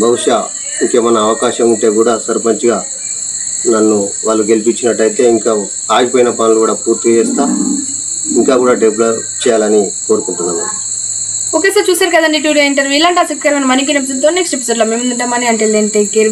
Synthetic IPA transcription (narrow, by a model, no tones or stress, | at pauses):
bʱɐʋuʂaː | iŋkeːmɐnɐːʋɐkaːʃɐmuɳʈe̞ːkuːɽaːsɐɾpɐɲt͡ʃuɡaː | nɐnːuʋaːɭːuɡe̞lipit͡ʃːinɐʈːɐjt̪e̞ːiŋka | aːɡipoːjinɐpaːnulukuːɽaːpuːɾt̪iɡɐɛːst̪aː | iŋkaːkuːɽaːɖeblot͡ʃɛːjaːlɐniko̞ːɾukuɳʈunːaːnu | oːkeːsaːɾt͡ʃuːsaːɾukɐd̪aniʈ̬uɽijoiɳʈɐːɾʋilːaːɳʈaːt͡ʃɐkt̪kaɾɐmɐjnɐmɐnik̬inɐbt̪̬unt̪onːeksʈep̬i̥soɖloːmemiʈɐmɐneɐɳʈeːld̪eːɳʈekeːɾ